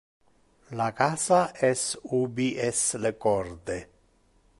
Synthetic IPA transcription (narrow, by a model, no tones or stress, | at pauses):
lakasaʔesubiʔeslekoɾd̪e